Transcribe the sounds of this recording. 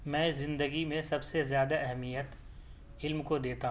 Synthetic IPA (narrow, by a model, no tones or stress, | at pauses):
mɛ̃ːzɪ̃nd̪əɡimẽsɐbsezjaːd̪aɛɦɛmijət̪ | ɪlmkod̪eːt̪aɦ